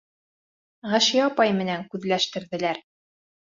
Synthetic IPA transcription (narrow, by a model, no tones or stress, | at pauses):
ʁæʃijɑpɑjmɘ̆næŋkʉðlæʃt̪ɘ̆ɾðɘ̆læɾ